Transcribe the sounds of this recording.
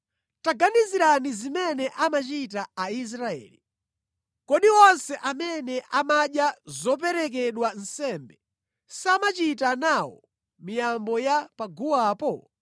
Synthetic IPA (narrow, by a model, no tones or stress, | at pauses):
taɡaniziɾanizimɛnɛʔamat͡ʃit̬aːis̬ɾaɛ̰ːli | kɔɗiwɔnsɛʔamɛnɛʔamaɗjazɔp̬ɛɾɛk̬ɛɗwan̩sɛmbɛ | samat͡ʃitanawɔ̰ | mijambɔjapaɡuwaːpɔ